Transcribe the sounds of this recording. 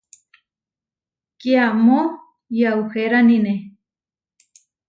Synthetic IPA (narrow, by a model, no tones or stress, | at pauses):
kiamo | jawxeɾanine